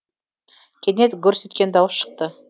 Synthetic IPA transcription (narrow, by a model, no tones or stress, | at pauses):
kʲʰenet̪kʲɵɾse̞t̪kʲend̪ɑwəsʃə̥q̚t̪ə